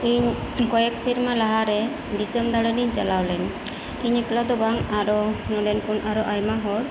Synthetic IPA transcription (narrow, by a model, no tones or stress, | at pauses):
iɲkɔjɛksiɾmalaɦaɾɛ | disɛmd̪aɽɛniɲt͡ʃalawlɛn | iɲiklad̪ɔbaŋaɾɔnɔɖɛnkunaɾɔʔajmaɦɔɽ